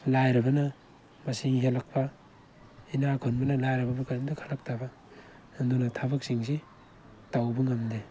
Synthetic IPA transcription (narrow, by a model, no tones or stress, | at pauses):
lajɾɐbɐnɐ | mɐsiŋɦelak̚pʰɐ | inakʰonbɐnɐlajɾɐbɐbukaɾmdɐkʰalak̚tʰabɐ | ndunɐtʰabɐk̚siŋs̬i | tawbɐŋɐmde